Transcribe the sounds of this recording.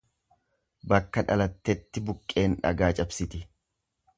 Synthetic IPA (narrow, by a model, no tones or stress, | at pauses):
bɐkːɐᶑɐlɐt̪ːɛt̪ːɪbʊkʼːe̞ːnᶑɐ̰ɡaːt͡ʃʼɐbsɪt̪ɪ